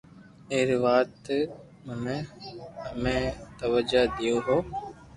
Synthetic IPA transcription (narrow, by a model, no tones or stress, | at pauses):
eːɾiʋaːt̪ | mʊnẽ | əmẽːt̪əʋəd͡ʒaːd̪ijoːɦoː